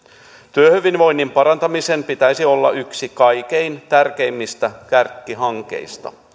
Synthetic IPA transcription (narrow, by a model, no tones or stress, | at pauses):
t̪yøhyʋinʋo̞jnːimpɑɾɑnt̪ɑmisempit̪æjsiolːɑ̰ʔyksikɑjk̟e̞jnt̪ærk̟e̞imːist̪ækærkːiɦɑŋke̞̰jst̪ɑ̰